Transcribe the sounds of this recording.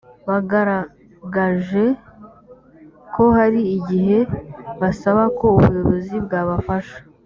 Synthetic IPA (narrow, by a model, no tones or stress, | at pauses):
βaɡaɾa | ɡaʒe̞ | ko̞haɾiːɟiɦe̞βasaβako̞uβṵjo̞βo̞zibɡaːβafaʃḁ